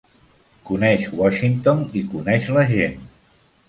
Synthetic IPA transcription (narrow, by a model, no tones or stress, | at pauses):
kunɛʃwɔʃint̪onikunɛʃləʒen